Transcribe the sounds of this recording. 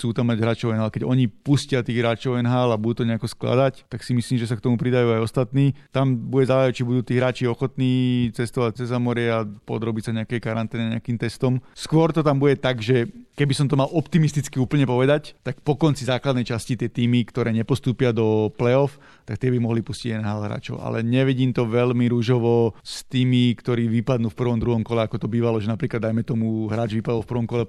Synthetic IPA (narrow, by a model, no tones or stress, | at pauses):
t͡suːt̪amːaɟɦɾaːt͡ʃɔʊɛnɦaːlkɛɟɔɲipuscɪat̪iːɣɦɾaːt͡ʃɔʊɛnɦaːlabud̪uːt̪ɔɲɛakɔskla̰d̪act̪aksimisliːmʒɛsakt̪ɔmupɾid̪ajuːajɔst̪at̪niːt̪ambuɟɛzaːjɛt͡ʃibud̪uːt̪iːɦɾaːt͡ʃiɔxɔt̪niːt͡sɛst̪ɔʋac̚t͡sɛzamɔɾɪɛapɔ̰d̪ɾɔbicsaɲɛakɛjkaɾant̪ɛːniɲɛakiːmt̪ɛst̪ɔmskʊɔɾt̪ɔt̪ambuɟɛt̪aɡʒɛkɛbisɔmt̪ɔmalʔɔpt̪imist̪it͡skiuːpl̩ɲɛpɔʋɛd̪act̪ak̚pɔkɔnt͡sizaːklad̪nɛjt͡ʃascit̪ɪɛt̪iːmikt̪ɔɾɛːɲɛpɔst̪uːpɪad̪ɔplɛɔf | t̪akt̪ɛbimɔɦlipusciɟɛnɛɦaːlɦɾa̰ːt͡ʃɔ̰ʊʔa̰lɛɲɛʋiɟiːmt̪ɔʋɛlmiɾuʒɔʋɔst̪iːmikt̪ɔɾiːʋipad̪nuːfpr̩ʋɔmd̪ɾuɦɔmkɔlɛakɔt̪ɔbiːʋalɔʒɛnapɾiːklad̪ajmɛt̪ɔmuɦɾaːd͡ʒʋipad̪ɔlfpr̩ʋɔmkɔlɛ